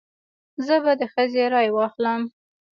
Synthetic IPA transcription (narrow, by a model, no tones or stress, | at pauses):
zəbad̪əxəzeɾɑjwɑxləm